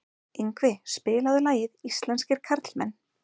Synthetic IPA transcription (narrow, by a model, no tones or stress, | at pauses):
ejŋkvɪspɪːlaðʏlaːjɪðist̪lɛnscɪɾ̥kʰaɾt̪l̥mɛnː